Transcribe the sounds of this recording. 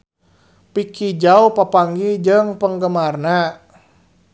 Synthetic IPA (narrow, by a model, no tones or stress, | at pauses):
pikid͡ʒaupapaŋɡid͡ʒəŋpəŋɡəmarna